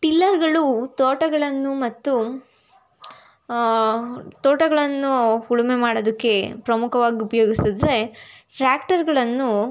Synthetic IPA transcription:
ʈilːɐɾɡɐɭut̪oːʈɐɡɐɭɐnːumɐt̪ːu | t̪oːʈɐɡɐɭɐnːuhuɭume̞maːɽod̪ɐkːe̞pɾɐmukʰɐʋaːɡiupɐjoːɡisid̪ɾe̞ʈɾaːkʈɐɾɡɐɭɐnːu

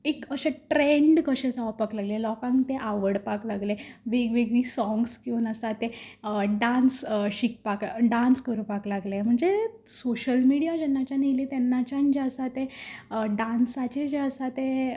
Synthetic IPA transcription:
ekəɕẽʈɾeɳɖkəɕẽt͡saʋapaklaɡlelɔkãŋkt̪eʔaʋəɽpaklaɡleʋeɡʋeɡʋisɔ̃ŋɡskiuːnəsat̪eɖansɕik̚pakɖãnskəɾũpaklaɡlem̤əɳd͡ze | soɕəlmiɽijad͡ʑɛnːat͡ɕanilet̪ɛnːat͡ɕãnd͡ʑeəsat̪ẽɖãnsat͡ɕed͡ʑeəsat̪ẽ

